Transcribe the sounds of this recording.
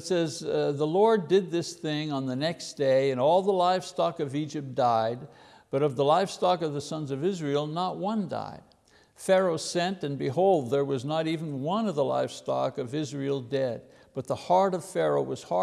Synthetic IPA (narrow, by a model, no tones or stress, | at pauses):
tsɛzðəlɔɹdɪd̪̚ðɪsθɪ̃ŋə̃nðɨnɛksd̥eɪɨ̃nɔlˠðəlaɪfstɑkʌvid͡ʒɨp̚d̥aɪd̚ | b̥ʌɾʌvðəlaɪfstɑkʌvðɨsʌ̃nzʌvɪzɹil̩ˠnət̚wʌ̃nda̰ɪd̥̚ | fɛɹoʊsɛ̃ntɨ̃nbɨɦoʊlˠd̪̚ðə˞wʌznəɾiṽn̩wʌ̃nʌvðəla̰ɪfstɑ̰kʌvɪzɹil̩ˠdɛd̚ | b̥ʌt̪̚ðəhɑɹɾʌv̥fɛɹoʊwʌz̥hɑ